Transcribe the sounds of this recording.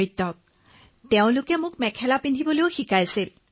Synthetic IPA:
it̪ːɔk̚ | teʊ̃lʊkɛmʊkmɛkʰɛlapindʱibɔleʊxikajsil

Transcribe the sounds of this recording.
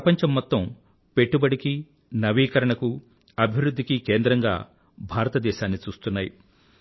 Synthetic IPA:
ɐpɐɲt͡ʃɐmːɔt̪ːɐm | pe̞ʈːubɐɽiki | nɐʋiːkɐɾɐɳɐku | ɐbʱiʋɾud̪ʱːikikeːnd̪ɾɐŋɡa̰ː | bʱaːɾɐt̪ɐd̪ɛːʃaːnːit͡ʃuːst̪unːaːji

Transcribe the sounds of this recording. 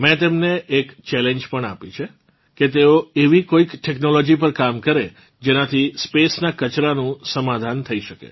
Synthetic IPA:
mɛ̃t̪emneʔːkt͡ʃɛleɲd͡ʒpəɳapit͡ʃʰe | ket̪eoeʋikoikʈʰeknolɔd͡ʒip̬əɾkamkəɾe | d͡ʒenat̪ʰispesnakət͡ʃɾanũsəmad̪ʱant̪ʰəiʃəkḛ

